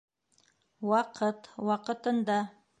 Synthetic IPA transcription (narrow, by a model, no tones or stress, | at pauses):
wɑqʰət̪wɑqə̆t̪ənd̪ɑ